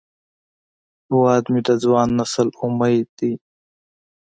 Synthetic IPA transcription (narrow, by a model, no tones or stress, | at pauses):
uaːd̪mit̪azwaːnːɐsəluməjt̪i